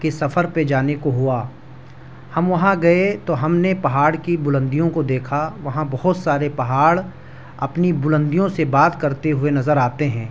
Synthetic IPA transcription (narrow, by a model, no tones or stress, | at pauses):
kesɐfʰəɾped͡ʒaːnekoɦʊaː | hɐmʋɐɦãɡɐet̪oɦɐmnepɐɦaːɽkibʊlə̃nd̪ijõkod̪eːkʰaʋɐɦãbɐɦʊt̪saːɾepɐɦaːɽ | ɐ̰pnibʊlə̃nd̪ijõsebaːt̪kɐɾt̪eɦʊenɐzəɾaːt̪eɦɛ̃ː